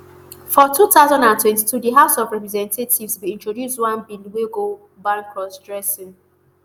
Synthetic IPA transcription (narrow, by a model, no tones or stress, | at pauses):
fɔtutaʊzãndãntʰwɛ̃ntitudəɦaʊsɔvɹɛpɹɛzɛ̃ntʰetʰivswiĩntɹodjuswãnbilweɡo | bãŋkɹɔsdɹɛsĩn